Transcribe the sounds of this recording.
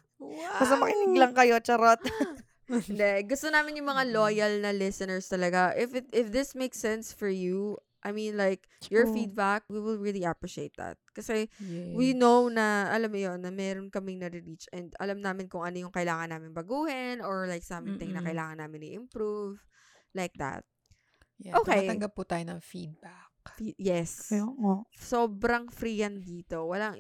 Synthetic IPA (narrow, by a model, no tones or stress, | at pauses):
ɐsɐmɐkɪnɪŋlɐŋkɐjot͡ʃɐɾot̪̚ | ɪnd̪ɛɡʊst̪onaːmɪnjʊŋmɐŋalojɐlnɐlɪsɐnɛɹst̪ɐlɐɡaʔɪfɪt̪ʔɪfðɪsmejksɛnsfɔɹju | ʔɐjminlajk̚ | jɔɹfid̪̚bak̚wiwɪlɹiliʔapɹɪʃḛjt̪̚d̪ɐ̰t̪̚kɐsɛwinownɐʔɐlamːʊjonːɐmɛːɾonkɐmɪŋnɐɾɪɾit͡ʃʔɛnd̪ɐ̰lamnaːmɪnkʊŋʔɐnojʊŋkɐʔɪlaːŋɐnːaːmɪnbɐɡuːhɪnoɹlajk̚saːmɪnt̪ɪŋnɐkɐɪlaːŋɐnːaːmɪnɪ̰ʔɪmpɾuv | lajk̚d̪ɐ̰t̪̚ | ʔoːkeɐjt̪ɐŋɡɐb̚pʊt̪aːjonɐŋfid̪̚bakfijɛs | soːbɾɐŋfɾijɐnd̪iːt̪o̞wɐlaŋ